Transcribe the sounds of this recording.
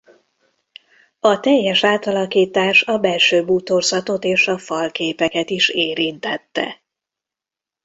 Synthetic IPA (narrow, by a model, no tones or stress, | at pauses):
ɒt̪ɛjːɛʃaːt̪ɒlɒkiːt̪aːʃɒbɛlʃøːbuːt̪o̞rzɒt̪o̞t̪eːʃɒfɒlkeːpɛkɛt̪iʃeːɾint̪ɛt̪ːɛ̰